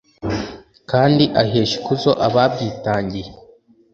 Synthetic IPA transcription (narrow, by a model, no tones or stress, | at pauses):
kaːndiʔaɦeːʃi̥kuzo̞ʔaβab̚ɟiːtaːɲɟije